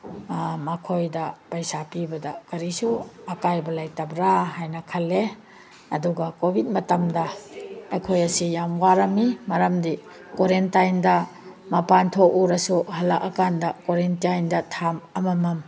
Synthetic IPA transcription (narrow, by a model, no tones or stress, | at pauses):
mɐkʰojdɐpajsapibɐdɐkɐɾisuɐkajbɐlajtɐbɾaɦajnɐkʰɐlːe | ɐduɡɐkobʱit̚mɐtɐmdɐː | jkʰojɐsijamwaɾɐmimɐɾɐmdi | koɾentajndɐmɐpantʰoʔuɾɐsuhɐlːɐkɐkandɐkoɾentajndɐtʰamɐmɐmɐm